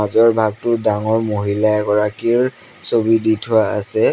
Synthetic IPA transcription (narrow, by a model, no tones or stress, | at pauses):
azɔɹbʱaɡ̚tʊdaŋɔɹmoɦilaɛɡɔɹakiɹ | sobiditʰʊaa̰sɛ